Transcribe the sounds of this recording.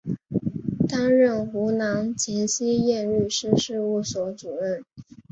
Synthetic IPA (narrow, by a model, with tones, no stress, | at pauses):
t̪a˥ŋɻə˥˩nxu˧˥nɑ˧˥ŋt͡ɕʰjɛ˧˥nɕi˥jɛ˥˧nɻy˥˩ʂɻ̩˥˧ʂɻ̩˥˧u˥˩swɔ˧˥t͡su˨˩ɻə˥˩n